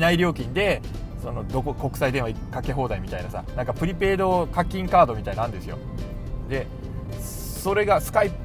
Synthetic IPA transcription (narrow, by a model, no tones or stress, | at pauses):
naiɾʲo̞ːkʲĩnd̪e̞ | so̞no̞d̪o̞koko̞kɯ̟̥said̪ẽa | kake̞ɦo̞ːd̪aimʲit̪ainasa̰nãŋkapɯ̟ɾʲipe̞ːd̪o̞kakʲːĩŋkaːd̪o̞mʲit̪ainãnd̪esɨjo̞̰ | d̪e̞ | so̞ɾe̞ɡasɨ̥kaip